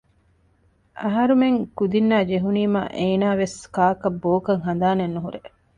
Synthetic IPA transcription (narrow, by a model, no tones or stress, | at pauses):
ɐɦɐɾumeŋkud̪inːaːd͡ʒeɦuniːma̰ːʔeːnaːʋeskaːkɐbːoːkɐŋɦɐnd̪aːnenːuɦuɾe